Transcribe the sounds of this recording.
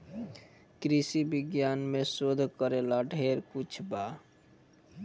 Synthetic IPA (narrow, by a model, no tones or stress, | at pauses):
kɾisibiɡjanmesod̪ʱkəɾelaɖʱeɾkut͡ʃʰba